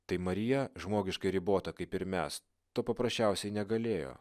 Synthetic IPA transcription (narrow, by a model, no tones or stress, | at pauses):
t̪ɐɪmɐɾʲɪjɛʒmoːɡʲɪʃkɐɪɾʲɪboːt̪ɐkɐɪpɪɾmʲɛ̰s | t̪oːpɐpɾɐsʲt͡ʃʲɛˑʊsʲɛɪnʲɛɡɐlʲeːjo̰ː